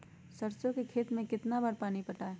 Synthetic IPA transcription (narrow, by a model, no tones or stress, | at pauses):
səɾt͡ʃõkekʰeːt̪mẽkɪt̪nabaːɾpaːnipɐʈaːe